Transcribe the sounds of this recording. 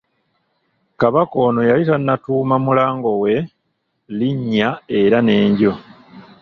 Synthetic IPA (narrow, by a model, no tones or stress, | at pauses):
kaβako̞ːno̞jalitanːatuːmamulaːŋɡo̞we̞ | liɲːae̞ɾane̞ːɲɟo̞